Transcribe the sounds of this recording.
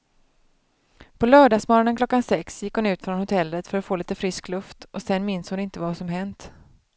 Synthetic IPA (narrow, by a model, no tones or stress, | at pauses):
pʰɔlœːɖɑːsmoːɾanənkʰlɔkːansɛksjɪkːhʊnʉ̟ːt̪fɾɔnhʊt̪ʰɛlːət̪fœɾat̪foːliːt̪əfɾɪsklɵft̪ʔɔsɛnmɪnshʊnɪnt̪əvasɔmɦɛnt̪